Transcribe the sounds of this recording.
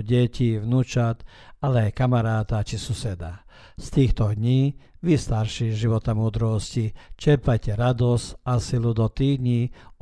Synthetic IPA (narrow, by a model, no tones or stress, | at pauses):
ɟɛciʋnut͡ʃat̪ | alɛajkamaɾaːt̪at͡ʃisusɛd̪a | st̪iːxt̪ɔɦ̪ɲiː | ʋist̪aɾʃiʒiʋɔt̪amuːd̪ɾɔscit͡ʃɛɾpajcɛɾad̪ɔscasilud̪ɔt̪iːd̪ɲi